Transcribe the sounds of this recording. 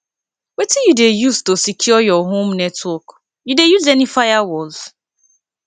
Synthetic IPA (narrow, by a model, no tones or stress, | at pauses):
wetijudejuztosikʰjɔjɔɦõmnɛtwɔk | judejuzɛnifajawɔlz